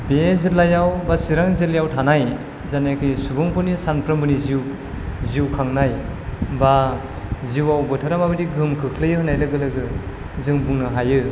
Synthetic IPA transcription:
bezɯtlajawbasiɾaŋzɯlijawtʰanaj | zanekʰɯjsubuŋpɯnisanpʰɾɯmbɯniziw | ziwkʰaŋnajba | ziwawbɯtʰaɾamabɯdiɡɯmkʰɯkʰlɯjɯhɯnajlɯɡɯlɯɡɯ | zɯŋbuŋnɯɦajɯ

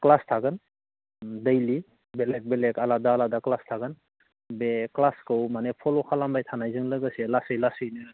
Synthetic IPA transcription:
klastʰaɡɯn | dejli | bɛlɛk̚bɛlɛkaladaːladaklastʰaɡɯn | beklaskɯwmanɛpʰɔlɔkʰalambajtʰanajzɯŋlɯɡɯselasɯjlasɯjnɯ

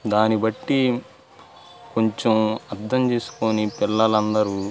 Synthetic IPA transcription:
d̪aːnibɐʈːi | ko̞ɲt͡ʃemɐɾd̪ɐmt͡ʃe̞ːsu̥ko̞ːnipilːɐlɐnd̪ɐɾu

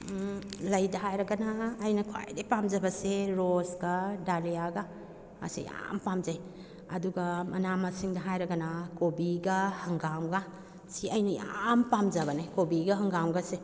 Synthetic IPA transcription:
lɐjdɐɦajɾɐɡɐnaːjnɐkʰa̰jdepamd͡ʒɐbɐseɾosɡɐdalijaɡa | a̰sḭja̰mpamzaj | ɐduɡɐmʔɐnamɐsiŋdɐɦajɾɐɡɐnakobiɡɐhɐŋɡawɡa | siɐjnɐja̰mpamzabɐnajkobiɡɐhɐŋɡawɡɐse

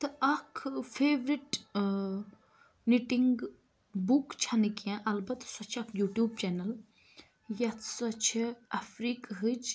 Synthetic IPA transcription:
t̪ɨʔɐkʰfʰeːʋɾiʈ | niʈiŋɡ | bukt͡ʃʰɐnikiãʔɐlbɐt̪sɐt͡ʃʰɐkʰjuːʈjuːb̚t͡ʃɛːnɐl | jɐt̪ʰsɐt͡ʃʰɐfɾiːkɦɨd͡ʒ

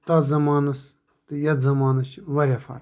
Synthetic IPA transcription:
t̪ɐzɐmaːnɐs | t̪ɨjɐt̪zɐmaːnɐt͡ʃʋɐɾʲafɐ̰ɾ

